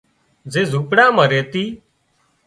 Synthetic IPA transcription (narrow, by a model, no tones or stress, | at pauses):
zeːzʱuːpɽãːməɾeːt̪iː